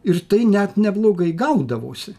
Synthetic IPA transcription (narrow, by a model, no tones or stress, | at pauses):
ɪrt̪ɐɪnʲɛt̪nʲɛblˠoːɡɐɪɡɐʊd̪ɐʋo̰ːsʲɪ